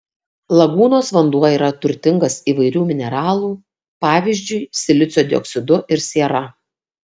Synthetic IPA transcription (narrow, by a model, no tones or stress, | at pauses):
lˠɐɡuːnoːsʋɐnd̪uɔiːɾɐt̪ʊɾʲt̪ʲɪŋɡɐsiːʋɐɪɾʲuːmʲɪnʲɛɾɑːlˠuː | pɑːʋʲizʲd͡ʒʲʊɪsʲɪlʲɪt̪sʲoːd̪ʲɪɔ̰ksʲɪd̪ʊʔɪɾsʲiːɛɾɐ